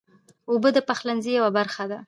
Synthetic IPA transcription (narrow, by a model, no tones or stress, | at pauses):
obəd̪əpaxlanzijawabaɾxad̪a